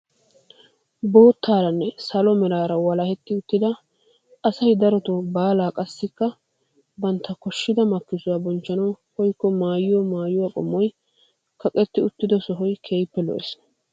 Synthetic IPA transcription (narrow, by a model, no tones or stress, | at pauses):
bo̞ːt̪ʰːaːɾɐnːɛsɐlɔmɛɾaːɾɐwɐlɐhɛt̪ːɪʊt̪ːɪd̪ɐ | ɐsɐjd̪ɐɾɔt̪ʊbaːlaːkʼɐsːɪkːɐ | bɐnt̪ːɐkɔʃːɪd̪ɐmɐkːɪsʊwaːbɔnt͡ʃːɐnɐwhɔjkːɔmaːjɪwɔmaːjʊwakʼɔmːɔj | kɐkʼɛt̪ːɪʊt̪ːɪd̪ɔsɔɦɔjkʰeːjpːɛlɔ̰ʔɛ̰s